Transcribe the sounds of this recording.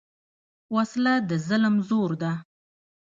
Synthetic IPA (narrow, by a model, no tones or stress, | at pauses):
waslad̪əzəlmzoɾd̪a